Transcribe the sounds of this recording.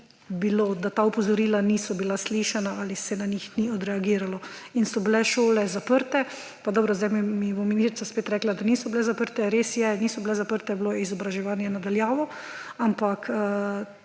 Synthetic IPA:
bilod̪at̪aːupɔzɔɾiːlaniːsɔbilasliʃanaalisɛnaɲixniɔd̪ɾɛaɡiːɾalɔinsɔbilɛʃoːlɛzapəɾt̪ɛ | pad̪ɔːbɾɔzd̪ɛjmimibominist̪ɾit͡ssaspeːt̪ɾɛːklad̪aniːsɔbilɛzapəɾt̪ɛɾeːsjɛniːsɔbilɛzapəɾt̪ɛbloizɔbɾaʒɛʋaːnjɛnad̪aljaːʋɔampakː

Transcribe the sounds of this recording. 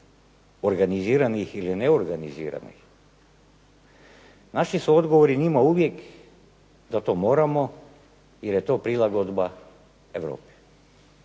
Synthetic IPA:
oɾɡaniziːɾanixilineoɾɡanizḭːɾa̰nḭx | naʃisuo̞d̪ɡoʋoɾinimauʋje̞k | d̪at̪o̞ːmo̞ːɾamo̞ | jeɾjet̪o̞ːpɾilˠaɡo̞d̪ba | eʋɾo̰ːpi̥

